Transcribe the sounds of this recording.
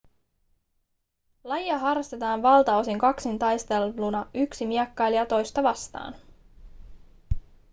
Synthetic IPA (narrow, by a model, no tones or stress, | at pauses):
lɑjiɑɦɑrːɑst̪e̞t̪ɑːnʋɑlt̪ɑosiŋkɑksint̪ɑjst̪e̞lːunɑʔyksimiɛkːɑjliɑt̪o̞jst̪ɑʋɑst̪ɑ̰ːn